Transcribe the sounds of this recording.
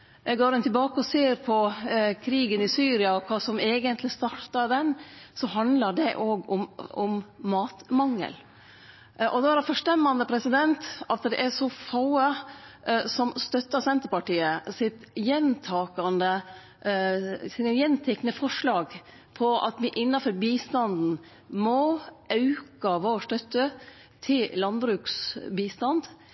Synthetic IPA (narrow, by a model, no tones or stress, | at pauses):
ɛɡoːɾɛnt̪ɪlbɑːkəɔseːɾpʰɔkʰɾiːɡənɪsyːɾɪɑɔkʰɑːsɔmeːɡənt̪lɪst̪ɑɾt̪ɑd̪ɛnsɔɦɑnd̪ləɖɛʔoːɡɔmɔmːɑːt̪mɑŋːə̰l | ʔɔd̪ɔæɾɛfœʂʈ̪ɛmːɑnd̪əpʰɾɛsɪd̪ɛnt̪ɑt̪d̪ɛ̰ʔæsɔfɑʊə | sɔmst̪œt̪ːəsɛnt̪əɾpɑʈiːəsɪt̪jɛnt̪ʰɑːkɑnd̪ə | sɪnəjɛnt̪ʰɛknəfɔʂɭɑːɡ | pʰɔʔɑ̰t̪ʋɪʔɪnːɑfɔɾbiːst̪ɑnd̪n̩ | mɔɑʉkɑʋoːʂʈ̪œt̪ːə | t̪ʰɪllɑnbɾʉːksbiːst̪ɑnd̪